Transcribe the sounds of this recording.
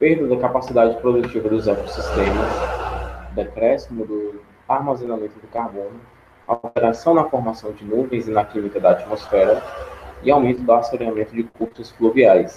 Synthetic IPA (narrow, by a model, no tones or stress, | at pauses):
peɾd̪ɐd̪ɐkapasid̪ad͡ʒɪpɾod̪ut͡ʃivɐd̪ʊzɛkosist̪ẽmɐs | d̪ɐkɾɛsimʊd̪ʊ | aɾmazẽnamẽnt̪ʊd̪ʊkaɾbõnʊ | awt̪eɾasɐ̃w̃nɐfoɾmasɐ̃w̃d͡ʒɪnuvẽj̃zɪnɐkĩmikɐd̪ɐat͡ʃimosfɛɾɐɪawmẽnt̪ʊd̪ʊasoɾiamẽnt̪ʊd͡ʒɪkupt̪ɐsfluviajs